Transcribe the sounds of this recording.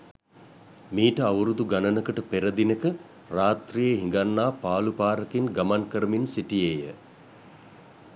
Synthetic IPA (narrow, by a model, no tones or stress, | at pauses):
miːʈəaʋəɾud̪uɡanənəkəʈəpeɾəd̪inəkə | raːt̪rijeɦiŋɡanːaːpaːlupaːɾəkinɡamankəɾəminsiʈijeːjə